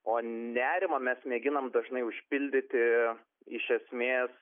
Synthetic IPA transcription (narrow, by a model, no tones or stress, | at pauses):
oːnʲæːɾʲɪmɐmʲɛsmʲeːɡʲɪnɐmd̪ɐʒnɐɪʊʃʲpʲɪlʲd̪ʲɪt̪ʲɪ | ɪʃʲɛsʲmʲeːs